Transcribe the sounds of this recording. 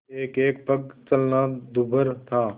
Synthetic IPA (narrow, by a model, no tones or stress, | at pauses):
eːkeːkpəɡ̚t͡ʃəlnad̪ubəɾt̪ʰaː